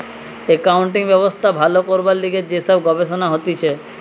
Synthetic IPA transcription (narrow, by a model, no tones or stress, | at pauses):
ekawɳʈiŋbɛbost̪ʰabʱalokoɾbaɾliɡeɾd͡ʑesɔbɡɔbeʃonaɦot̪it͡ɕʰe